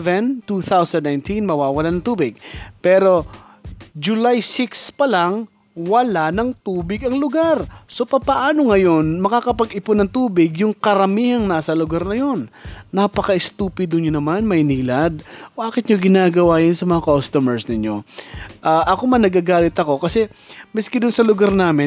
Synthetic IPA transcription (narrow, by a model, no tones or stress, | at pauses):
vɛnt̪uθawsɐnd̪̚najnt̪inmɐwaːwɐlanɐŋt̪uːbɪɡ̚pɛːɾo̞ | d͡ʒʊlajsɪkspɐlaŋ | wɐlanɐŋt̪uːbɪɡɐŋlʊɡaɾso̞pɐpɐʔaːnoŋɐjo̞nmɐkakɐpɐɡɪponɐŋt̪uːbɪɡjʊŋkɐɾɐmiːhɐŋnasɐlʊɡaɾnɐjo̞nːapɐkɐɪst̪uːpɪd̪ʊnɲonɐmanmɐʔɪniːlad̪̚baːkɪt̪̚ɲoɡɪnaːɡɐwaːjɐnsɐmɐŋakost̪omɛɹsnɪɲo̞ʔaːʔɐkomɐnɐɡaɡaːlɪt̪ɐko̞kɐsɛ | mɪskɪd̪ʊnsɐlʊɡaɾnaːmɪ